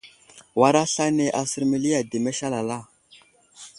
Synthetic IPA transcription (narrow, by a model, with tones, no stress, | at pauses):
wa˦ɾa˦ɬa˦ne˨ʔa˨sə˨ɾmi˨li˦ja˨de˨me˦ʃa˦la˨la˦˨